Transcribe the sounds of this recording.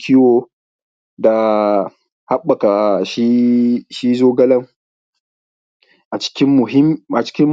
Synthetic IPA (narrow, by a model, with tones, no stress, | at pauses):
kʲʰɪ˦woː˨ | da˨ | ha˦ɓːɐ˨ka˨ʃi˦ʃi˦zoː˦ɡɐ˦lɐ˦ŋ | ʔa˨t͡ʃɪ̥˦kʲɪ˦mːʊ˨ɦɪ˦mʔa˨t͡ʃɪ̥˦kʲɪ˦m